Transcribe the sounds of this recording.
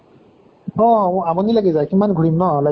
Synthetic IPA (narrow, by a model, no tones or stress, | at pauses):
ɔamɔnilaɡɛzakimanɡʱuɹimnɔla